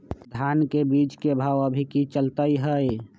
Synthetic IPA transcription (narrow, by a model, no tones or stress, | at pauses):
d̪ʱaːnkebiːt͡ʃkebʱaːwəbʱikit͡ʃəlt̪əiɦəj